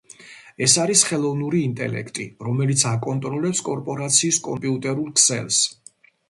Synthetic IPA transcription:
ɛsaɾisχɛlˠɔvnuɾiːnt̪ʼɛ̰lɛ̰kʰt̪ʼiɾɔmɛlit̪sʰakʼɔnt̪ʼɾɔlɛpskʼɔɾpʼɔɾat̪sʰiːskʼɔmpʼiut̪ʼɛɾulˠkʰsɛ̰lˠs

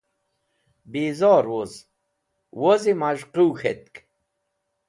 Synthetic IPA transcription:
biːzɔːɾwoz | wozimaʒquwxḛt̪̚k

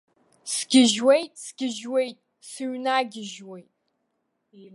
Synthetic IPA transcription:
sɡʲɪʒwejt̚ʼsɡ̥ʲɪʒwejtʼ | sɨɥnaːɡʲɪʒwejtʼ

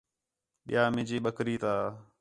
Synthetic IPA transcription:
ɓɪjaːmɪ̃ːd͡ʒiːɓəkɾiːt̪aː

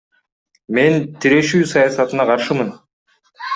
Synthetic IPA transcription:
me̞nt̪ʰiɾe̞ʃyːsɑjɑsɑt̪ɯnɑqʰɑɾʃɯmɯn

